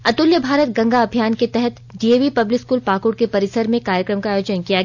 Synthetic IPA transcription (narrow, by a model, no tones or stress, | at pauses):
ɐt̪ʊljəbʱaːɾət̪ɡɐ̃ŋɡaɐbʱijaːnket̪ɛɦɛt̪ | ɖieːʋipɐblɪkskuːlpaːkʊɽkepɐɾɪsəɾmẽkaːɾjəkɾəmkaːjoːd͡ʒənkijaɡ